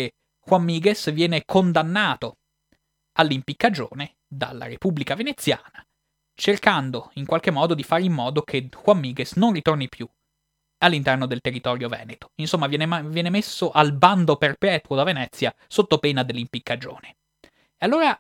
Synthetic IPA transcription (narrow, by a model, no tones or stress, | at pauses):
e | xwamːiːɡesvjɛːnekʰond̪anːaːt̪o | alːimpikːad͡ʒo̰ːne | d̪a̰lːa̰ɾepublikavenet̪sːjaːna | t͡ʃerkand̪oiŋkwalk̟emːɔːd̪od̪ifaːɾimːɔːd̪okʰexwamːiːɡesnonrit̪ornipju | alːint̪ɛrnod̪elt̪erːit̪ɔːɾjovɛ̰ːnet̪o̥insomːavjɛːnevjɛːnemesːoʔalband̪operpɛːt̪wod̪avenɛt̪sːja | sot̪ːopeːnad̪elːimpikːad͡ʒo̰ːne | ealːoːɾa